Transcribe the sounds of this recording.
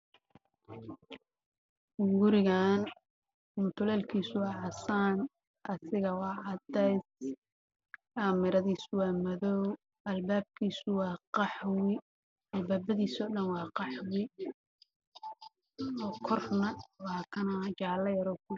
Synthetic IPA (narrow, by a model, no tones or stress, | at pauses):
ɡʊɾɪɣaːn | mʊt̪ʰʊlɛːlkʰiːsʊwɑːħɑsaːn | ʔɐsɪɣɐwɑːʕɑd̪ɛjs | ʔaːmɪɾɐðiːsʊwɑːmɐðɔw | ʔɐlbaːb̚kʰiːsʊwɑːqɑħwɪ | ʔɐlbaːbɐðiːsɔːɗɐnwɑːqɑħwɪ | ɔːkʰɔrnɐwɑːkʰɐnɐt͡ʃaʕlɐjɐɾɔkʰʊ